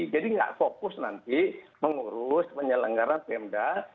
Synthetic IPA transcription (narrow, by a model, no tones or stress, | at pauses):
d͡ʒadiŋɡa̰ʔfokʊsnant̪iməŋuɾʊspəɲələŋɡaɾant̪ɛmda